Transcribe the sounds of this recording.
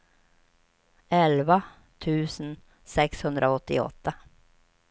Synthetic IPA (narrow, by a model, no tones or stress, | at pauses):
ɛlva | t̪ʰʉːsn̩ | sɛkshɵnd̪ɾʔaɔt̪ːɪ̰ɔ̰t̪ːa